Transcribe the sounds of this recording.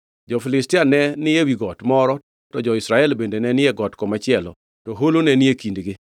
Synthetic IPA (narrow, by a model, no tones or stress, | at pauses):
d͡ʒɔfɪlɪstɪanɛnɪewiɡɔtmɔɾɔ | tɔd͡ʒɔɪsɾaɛlbendenɛnɪɛɡɔtkɔmat͡ʃɪɛlɔ̰ | tɔɦolonɛnɪekindɡɪ